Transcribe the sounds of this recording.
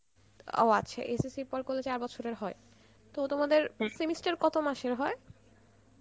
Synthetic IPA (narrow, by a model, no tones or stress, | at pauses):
o̰a̰ɕʰḛʔesisiɾpɔɖkolːet͡ɕaɾbɔt͡ɕʰoɾeɾɦɔe | t̪ot̪omad̪eɾsemisʈaɾkɔt̪omaʃeɾɦɔe